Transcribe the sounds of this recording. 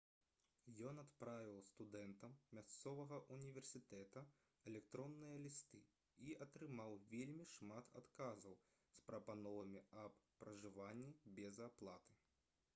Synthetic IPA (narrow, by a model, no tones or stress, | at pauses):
jɔnat̪pɾavʲiwˠst̪ud̪ɛnt̪ɐmːʲast̪sɔvɐɣɐʔunʲivʲɛrsʲit̪ɛt̪ɐ | ɛlʲɛk̚t̪ɾɔnːɨjɐlʲist̪ɨ | iɐt̪ɾɨmawvʲelʲmʲiʂmat̪ʰa̰t̪kazɐw | spɾɐpanɔvɐmʲiɐbpːɾɐʐɨvanʲːibʲɛzaplˠat̪ɨ̥